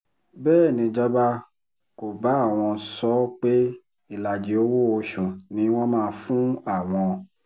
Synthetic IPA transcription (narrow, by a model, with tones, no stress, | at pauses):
bɛː˦˨nĩ˧d͡ʒa˦ɡ͡ba˦˧ | ko˨ba˨˦a˦˨w̃ɔ̃˧sɔ˦k͡pe˦ | i˦˨la˨d͡ʒi˨˦o˦wo˦o˧ʃũ˨nĩ˨˦w̃ɔ̃˦mãː˦˧fũ˦a˦˨w̃ɔ̃˧